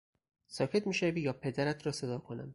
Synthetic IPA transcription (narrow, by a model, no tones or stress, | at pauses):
sɒːcʰe̞t̪miːʃevijɒːpʰe̞d̪æɾæt̪ʰɾɒːse̞d̪ɒːkʰo̞næ̰m